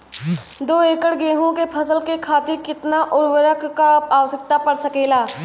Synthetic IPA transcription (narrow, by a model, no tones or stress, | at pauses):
d̪oːeːkəɽɡeːɦõkepʰɐsəlkekʰaːt̪ɪkɪt̪naʔʊɾwəɾəkkaaːʋəsək̚t̪apɐɽsəkeːlaː